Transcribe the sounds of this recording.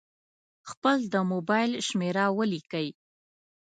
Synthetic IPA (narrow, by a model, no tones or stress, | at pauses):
xpəld̪əmobɑjlʃmeɾawəlikəj